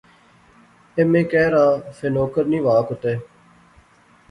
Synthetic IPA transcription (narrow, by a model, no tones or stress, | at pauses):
emẽːkɛːɾaːfeːnoːkəɾnĩːʋaːkʊt̪eː